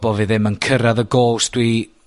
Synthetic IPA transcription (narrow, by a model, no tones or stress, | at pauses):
bɔviðɪmənkʰəɾaðəɡoːsd̥wi